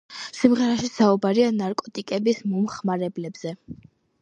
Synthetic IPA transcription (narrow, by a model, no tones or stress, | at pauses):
simʁɛɾaʃisaubaɾianaɾkʼɔt̪ʼikʼɛbismɔmχmaɾɛblɛbz̥ɛ